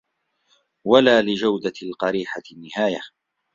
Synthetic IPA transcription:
walaːlɪd͡ʒawd̪alqɑɾiːħanːɪhaːja

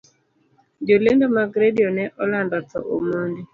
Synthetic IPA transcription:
d͡ʒolendɔmaɡɾediɔnɛʔɔlandatɔ̰ʔomondi

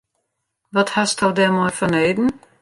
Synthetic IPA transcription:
ʋɔthastʰɔldɛmɔjfɔneːdn̩

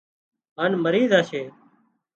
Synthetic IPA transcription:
ɦaːnməɾiːzaːʃeː

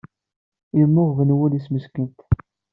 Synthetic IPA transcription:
imːʊʁvənwulisməskənt̪

